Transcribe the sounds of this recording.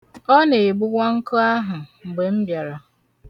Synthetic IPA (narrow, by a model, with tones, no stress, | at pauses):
ɔ˦ne˨e˨ɡ͡bʊ˦ɡʷa˦ŋ̩˦kʊ˦a˦ɦʊ˨ŋ͡m̩˨ɡ͡be˨m̩˦bja˨ɾa˨